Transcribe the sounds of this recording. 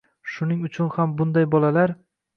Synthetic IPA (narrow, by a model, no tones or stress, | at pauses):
ʃʊnɪŋʊt͡ʃʰʊnhambʊnd̪ajbɒlalaɾ